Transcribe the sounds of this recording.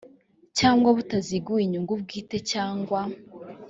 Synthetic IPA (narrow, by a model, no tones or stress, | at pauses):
caːŋɡwaβutaziɡuiɲuŋɡub̚ɡiːte̞caːŋɡwa